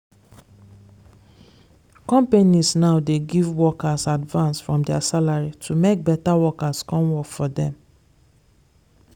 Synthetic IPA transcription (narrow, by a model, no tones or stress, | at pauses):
kɔ̃mpenisnaʊdeɡivwɔkasadvãnsfɹɔ̃mdɛasalaɹitʰumek̚bɛtawɔkaskɔ̃nwɔkfɔdɛ̃m